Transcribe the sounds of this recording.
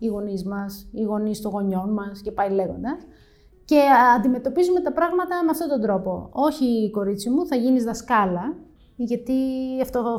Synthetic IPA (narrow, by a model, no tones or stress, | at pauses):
iɣo̞nizmɐsiɣo̞nist̪o̞ŋɣo̞ɲo̞nmɐsce̞pɐile̞ɣo̞̰nd̪ɐs | ce̞ɐnd̪ime̞t̪o̞pizume̞t̪ɐpɾɐɣmɐt̪ɐmeɐft̪o̞t̪o̞nd̪ɾo̞po̞o̞çiko̞ɾit͡simuθɐʝinizðɐskɐlɐ | ʝɐt̪iɐft̪o̞